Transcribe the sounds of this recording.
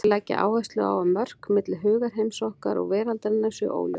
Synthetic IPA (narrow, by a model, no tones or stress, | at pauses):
tʰɪlaːjcːa̰ʔa̰ːwvajst̪lʏa̰ːwamːœr̥kmɪt̪lɦʏːɣaɾ̥ɦejmsɔhkaɾɔ̰ɣvɛːɾalt̪aɾɪnːḁsɛ̰ʔo̰ːwljo̰